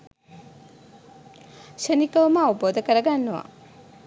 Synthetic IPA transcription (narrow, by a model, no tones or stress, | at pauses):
ʃənikəʋməːwuboːd̪ɐkəɾɐɡanːuʋa̰